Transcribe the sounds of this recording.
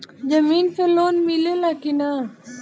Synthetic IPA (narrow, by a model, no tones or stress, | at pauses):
d͡ʒɐmiːnpeloːnmilelaːkinaː